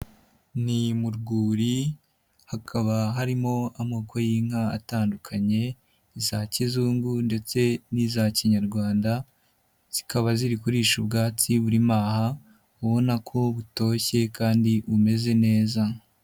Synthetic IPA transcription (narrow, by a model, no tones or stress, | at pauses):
nimuɾɡuːɾi | hakʰaβaɦaɾimo̞amoːkʰo̞jiːŋ̥haːtaːndukʰaɲe̞ | izacizuːŋɡunde̞t͡se̞nizaciɲaɾɡwaːnda | z̥ikaβaziɾikuɾiːʃubɡaːt͡siβuɾimaːha | uβo̞nakʰo̞βuto̞ːçe̞kaːndiβume̞ze̞ne̞ːza